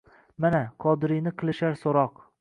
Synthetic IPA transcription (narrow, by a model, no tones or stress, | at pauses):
manaqʰɒd̪ɪɾijnɪqʰɨlˠɪʃaɾsoɾɒq